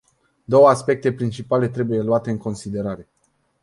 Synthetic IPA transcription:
d̪o̞wəaspe̞k̚t̪e̞pɾint͡ʃipale̞t̪ɾe̞buje̞luat̪e̞ɨŋko̞nsid̪e̞ɾaɾe̞

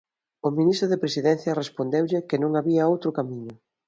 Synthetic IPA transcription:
ʊmĩnist̪ɾʊðepɾesiðɛn̟θjɐrespond̪ewʎɪkenõŋaβiɐowt̪ɾʊkamiɲʊ

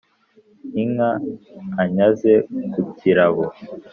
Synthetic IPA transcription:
iŋaː | ɲazekuciɾaβo

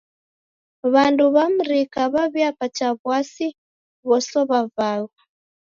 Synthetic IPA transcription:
βanduβam̩ɾikaβaβjapat͡ʃaβwasi | βɔsɔβavaɣa

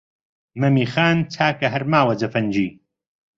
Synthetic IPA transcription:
mɐmiːxaːnt͡sʰaːkɐɦɐɾmaːwɐd͡zɐfɐnd͡ʒiː

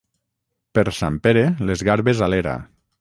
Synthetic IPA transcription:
peɾsampeɾelezɣaɾβezaleɾa̰

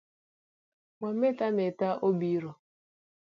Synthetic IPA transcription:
ŋʷam̩metametaʔobiɾɔ

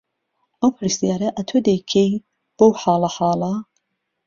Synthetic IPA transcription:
ʔɐwpʰɨɾist̪ijaːɾɐʔɐt̪ʰod̪ejkʰej | b̥owħɑːlɐħɑːlɐ

